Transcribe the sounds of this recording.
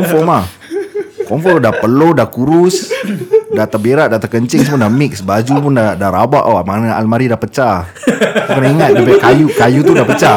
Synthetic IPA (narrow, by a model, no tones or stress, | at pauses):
ɔmfɔma | kɔmfɔdapəlodakuɾʊs | dat̪abeɾaʔdat̪akəɲt͡ʃɪŋsəmudamɪksbad͡ʒupundadaɾabaʔaamanaʔalmaɾidapət͡ʃa | ukənaiŋat̪̚dapakajukajut̪udapət͡ʃa